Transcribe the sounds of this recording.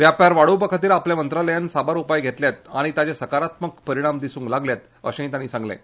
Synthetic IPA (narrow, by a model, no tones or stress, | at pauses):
ʋjapjaɾʋaɽuːbəkʰət̪iːɾlapljamənt̪ɾaləjansabaɾupajɡʱet̪ljat̪aɽ̃it̪jat͡ɕesəkaɾat̪məkpəɾiɽ̃amd̪isũːŋklaɡljat̪ | ə̰ɕẽĩt̪aɽ̃iːsãŋɡlḛ̃